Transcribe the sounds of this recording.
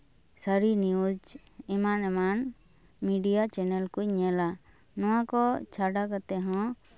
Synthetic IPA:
səɾiniud͡ʒɛmanɛman | miɖijat͡ʃɛnɛlkuɲɛla | nɔ̃wakɔt͡ʃʰaɖakat̪ɛɦɔ̃

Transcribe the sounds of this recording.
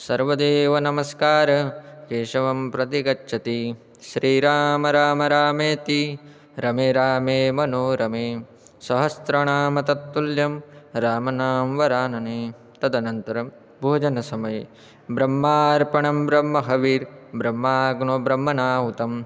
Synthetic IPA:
sɐɾʋɐd̪eːʋɐnɐmɐskaːɾɐkeːʃɐʋɐmpɾɐt̪iɡɐtːʃʰɐt̪i | ʃɾiːɾaːmɐɾaːmɐɾaːmeːt̪i | ɾɐmeːɾaːmeːmɐnoːɾɐmeː | sɐɦɐst̪ɾɐɳaːmɐt̪ɐt̪ːuljɐmɾaːmɐnaːmʋɐɾaːnɐneː | t̪ɐd̪ɐnɐnt̪ɐɾɐm | bʱoːd͡ʒɐnɐsɐmɐje | bɾɐmːaːɾpɐɳɐmbɾɐmːɐɦɐʋiːɾbɾɐmːaːɡnobɾɐmːɐnaːɦut̪ɐm

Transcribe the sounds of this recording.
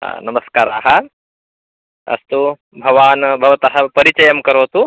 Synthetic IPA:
nɐmɐskaːɾa̰ːɦɐ | ɐ̰st̪u | bʱɐʋaːnbʱɐʋɐt̪ɐɦɐpɐɾit͡ʃɐjɐmkɐɾoːt̪u

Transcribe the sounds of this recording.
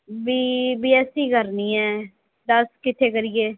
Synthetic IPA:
biːbiːɛːsĩːɡəɾniːɛː | d̪əskɪt̪ʰːeːkəɾiːeː

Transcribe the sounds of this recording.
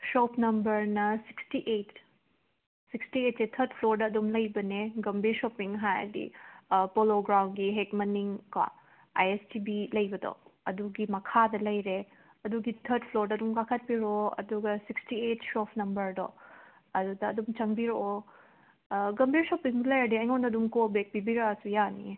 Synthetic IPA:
sopnɐmbɐɾnɐsi̥kstiʔet | sikstiet̚setʰɐɾd̚pʰloɾdɐːdumlɐjbɐneɡɐmbiɾsopiŋɦajɐ̰dḭpoloɡɾawnɡiɦekmɐniŋkwa̰ | a̰jestibilɐjbɐdo̰ɐduɡimɐkʰadɐlɐjɾe | ɐduɡit̪ʰɐɾd̚pʰloɾdɐdumkakʰɐt̚biɾoɐ̰duɡɐsikstietsopʰnɐmbɐɾdɔ̰ | ɐdudɐːdumt͡ʃɐŋbiɾoo | ɡɐmbiɾsopiŋblɐjɐdiɐjŋondɐdumkobek̚bibiɾaasujanḭ

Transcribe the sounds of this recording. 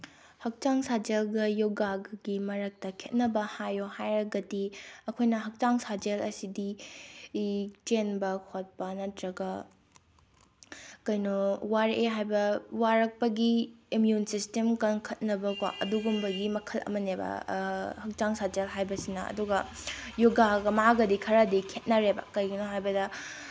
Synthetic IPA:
hɐk̚t͡ʃaŋsad͡ʒelɡɐjoɡaɡɡimɐɾɐk̚tɐkʰet̚nɐbɐhajohajɾɐɡɐdiɐkʰojnɐɦɐk̚t͡ʃaŋsad͡ʒelɐsidi | t͡ʃenbɐkʰot̚pɐnɐtɾɐɡɐ | kɐjnowaɾʔeɦajbɐwaɾɐk̚pɐɡiimjunsistemkɐnkʰɐt̚nɐbɐkwa̰ʔɐduɡumbɐɡimɐkʰɐlɐ̰mɐnebɐ̰hɐk̚taŋsad͡ʒelɦajbɐsinɐɐ̰duɡɐjoɡaɡɐmaɡɐdikʰɐɾɐdikʰet̚nɐɾeba̰kɐjɡinoɦajbɐdɐ

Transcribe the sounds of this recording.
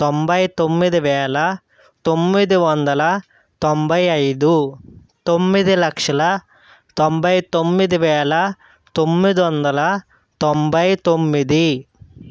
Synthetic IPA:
t̪ombɐjt̪omːid̪iʋɛːlɐ | t̪omːid̪iʋɐnd̪ɐlɐ | t̪ombʱɐjɐjd̪u | t̪omːid̪ilɐkʂɐlɐ | t̪ombʱɐjt̪omːid̪iʋɛːlɐ | t̪omːid̪iʋɐnd̪ɐlɐ | t̪ombʱɐjt̪omːid̪i

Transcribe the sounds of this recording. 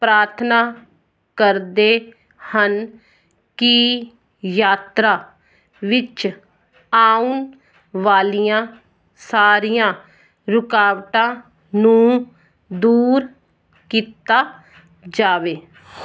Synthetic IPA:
pɾaːɾt̪ʰnaː | kəɾd̪eː | hən | ki | jaːt̪ɾaː | ʋɪt͡ʃ | aːun | ʋaːlijãː | saːɾijãː | ɾʊkaːʋʈãː | nũː | d̪uːɾ | kiːt̪aː | d͡ʒaːʋeː

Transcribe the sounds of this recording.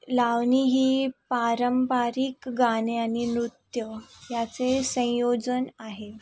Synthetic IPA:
laʋniɦiːpaɾəmpaɾikɡaneanimɾut̪jəjat͡sesə̃jod͡zənaɦe

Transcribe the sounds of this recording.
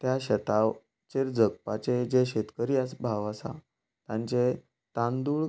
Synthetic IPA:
t̪jaɕət̪a | t͡ɕeɾd͡zək̚pat͡sed͡ʑeɕet̪kəɾiːəsbʱaʋasa̰ | t̪jãɲt͡ɕe | t̪ãnd̪uːɭ

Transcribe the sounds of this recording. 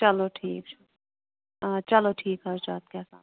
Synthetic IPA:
t͡ʃɐloʈʰiːk̚t͡ʃ | at͡ʃɐloʈʰiːkɦɐɾd͡ʒaːt̪̚kaːsa̰ːt̪

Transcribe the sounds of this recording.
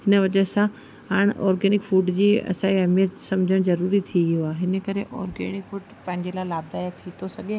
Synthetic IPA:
ɦɪnəʋɐd͡ʑəsã | ɦaːɽ̃ɔːɾɡeːnɪkfuːʈd͡ʑiːɐ̰sãiɐmiət̪sɐmd͡ʑʱəɽ̃zɐɾuːɾit̪ʰiʋijoaːɦɪnəkɐɾeʔɔ̰ːɾɡḛːnɪkfʊːʈpɐ̃ɦɪ̃ɲd͡ʑelalaːb̚d̪aːjat̪ʰit̪ʰosɐɠẽ

